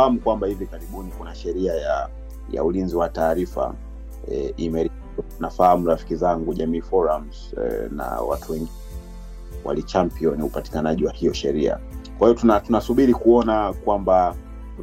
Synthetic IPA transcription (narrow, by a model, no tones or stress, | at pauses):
hamukwambahivikaɾiɓunikunaʃɛɾiaja | ja̰ulinziwataːɾifa̰ | imɛɾ | nafahamuɾafi̥kizaŋɡuʄamiːfɔɾamz̥̰ | na̰wa̰tʰuwɛŋɡiɛ | wʔa̰lit͡ʃampiɔniupati̥kanaʄiwahijɔʃɛɾia̰kwahiɔtunatunasuɓiɾikuɔnakwamba